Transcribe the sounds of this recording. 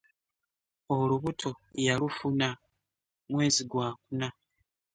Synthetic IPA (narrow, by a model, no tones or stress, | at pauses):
o̞luβutʰo̞jalufuna | mwe̞ːziɡwaːkuna